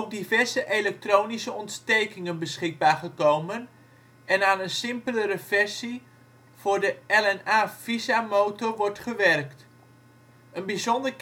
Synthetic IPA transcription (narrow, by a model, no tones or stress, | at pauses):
ɔp̚divɛɹzəʔelɛk̚trownisəɔntstejkɪŋənbəsχɪɡ̚baːɹχəkowmən | ɛnaːnənsɪmpələɾəfɛrsi | v̥ʊːɹdəɛlɛnaːfizamowtɔrʋɔɹtχəʋɛrkt | ənbizɔndər